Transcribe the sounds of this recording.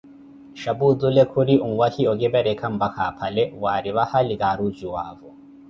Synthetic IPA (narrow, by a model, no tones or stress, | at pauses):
ʃabud͡zulekʰuɾiʔumuβahioɡebeɾekʰam̩bakʰapʰaleβwaːɾiβahaliɡaɾud͡ʒuwaːvo